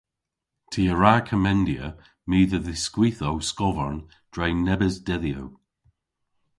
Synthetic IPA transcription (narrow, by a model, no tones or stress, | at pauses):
tʰiəɹaːkʰəmɛndiə | miːðəðɪskwiθowskɔvəɹn | d̥ɹajnɛbəzdɛðjo̰w